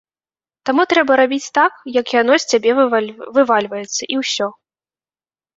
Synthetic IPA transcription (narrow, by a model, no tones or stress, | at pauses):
t̪amut̪ɾɛbɐɾabʲit͡sʲt̪akjɐkjanɔsʲt͡sʲabʲɛvɨvalʲvɐjɛt̪sːɐʔiwsʲɔ